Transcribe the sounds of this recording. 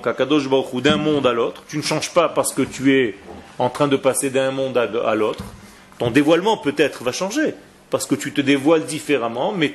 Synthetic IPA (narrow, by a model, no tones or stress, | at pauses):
kakad̪ɔʃbaʁuχud̪ɛ̃mɔ̃d̪alot̪χt̪ynəʃɑ̃ʒpapaʁsə̥kət̪yɛɑ̃t̪χɛ̃d̪əpased̪ɛ̃mɔ̃d̪aa̰lot̪χ | t̪ɔ̃d̪evwalmɑ̃pøt̪ɛt̪χvaʃɑ̃ʒe | paʁsə̥kət̪yt̪əd̪evwald̪ifeʁamɑ̃mɛ